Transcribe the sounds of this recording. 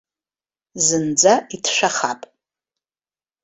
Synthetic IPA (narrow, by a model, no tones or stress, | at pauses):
zɨnd͡zaitʰʂʷᶣaχapʼ